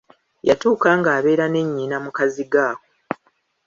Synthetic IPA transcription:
jatuːkaːŋɡaːβe̞ːɾane̞ɲːinamukaziɡaːko

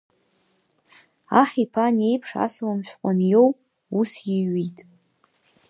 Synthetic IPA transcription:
aħipʰanejpʰʂa̰slamʃʷᶣqʷʼanjow | usjiɥitʼ

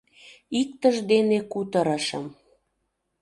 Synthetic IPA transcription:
ik̚t̪əʒd̪enekut̪əɾəʃəm

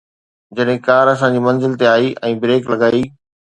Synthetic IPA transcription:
d͡ʑɐɗɦɪ̃kaːɾɐs̬ãd͡ʑiːmɐ̃nzɪlt̪eaːiʔɛ̃ːbɾeːklɐɡaːiː

